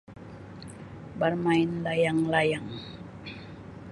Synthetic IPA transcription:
barmaɪnlajaŋlajaŋ

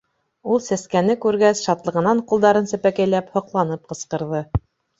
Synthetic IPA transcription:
ulˠsæskænɘkʉɾɡæsʃɑt̪lˠɤ̆ʁɤ̆nɑɴqulˠd̪ɑɾɤnsæpækæjlæphŏqlˠɑnɤp̚qɤ̆sqɤ̆ɾðɤ

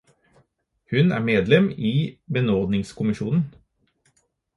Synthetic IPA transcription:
hʉnæ̰ːmeːd̪lɛmiːbɛnɔʁd̪nɪŋskʰʊmɪʃuːnn̩

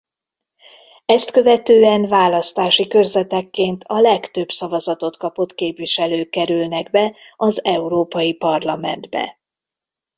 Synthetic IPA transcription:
ɛst̪kø̞vɛt̪øːɛnvaːlɒst̪aːʃikø̞rzɛt̪ɛkːeːnt̪ʰɒlɛkt̪ø̞bsɒvɒzɒt̪o̞t̪kɒpo̞t̪keːpviʃɛløːkːɛɾylnɛɡ̚bɛɒzɛuɾoːpɒjipɒrlɒmɛ̰nd̪bɛ̰

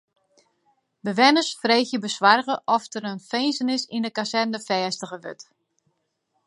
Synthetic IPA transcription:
bəʋɛnəsfrejxjəbəswarɣəʔɔftəɾənfejnsənɪsindəkasɛtnəfɛːstəɣəʋø̰t

